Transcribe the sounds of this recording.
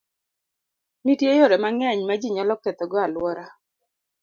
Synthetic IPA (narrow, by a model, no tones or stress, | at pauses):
mitjejoɾɛmaŋɛɲmad͡ʒiɲalɔk̚t̪ɛt̪ɔɡɔalwɔɾa